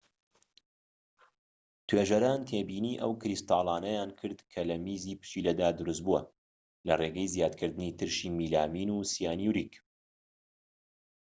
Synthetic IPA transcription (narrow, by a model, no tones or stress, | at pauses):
t̪ʰweːʒɐɾaːnt̪ʰeːbiːniːʔɐwkɾist̪ɑːlˠaːnɐjaːnkʰɨɾd̪kʰɐlɐmiːziːpɨ̥ʃilɐd̪aːd̪ʊɾus̬t̪̚buɐ | lɐreɡɛjzjaːd̪kʰɨɾd̪ɨniːt̪ʰɨɾʃiːmiːlaːmiːnuːsijaːnjuɾiːk